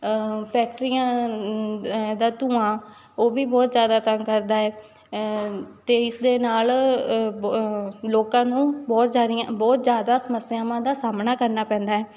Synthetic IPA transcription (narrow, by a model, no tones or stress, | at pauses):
pʰɛːk̚ʈɾijãː | d̪aːt̪ũːãː | oːʋiːbɔːt̪zjaːd̪aːt̪əŋkəɾd̪aːɛː | t̪eːɪsd̪eːnaːl | loːkãːnũːbɔːt̪zaːd̪jãbɔːt̪zjaːd̪aːsəməsjaːʋãːd̪aːsaːmnaːkəɾnaːpɛ̃ːnd̪aːɛː